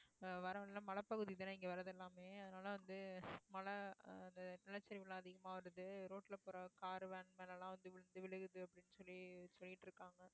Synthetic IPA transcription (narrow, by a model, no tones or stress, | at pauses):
ʋɐɾɐʋɐnlãːmɐɭɐpːɐɣɯðɪðɐnɐɪŋɡɐʋɐɾɐðɛlːaːmeːɐðɐnaːlɐʋɐnd̪ɯmɐɭɐɐnd̪ɐnɪlɐt͡ʃːɐɾɪʋɪlãːɐðɪɣɐmaːʋɐɾɐðɯɾoːʈːɪlɐpɔɾɐkaːɾʋeːɳmɐlɐlãːʋɐnd̪ɯʋɪɻɯnd̪ɯʋɪɭɯɣɯðɯɐpːɐɽɪnːɯsɔlːisɔlːɪʈːɪɾɯkːaːŋɡɐ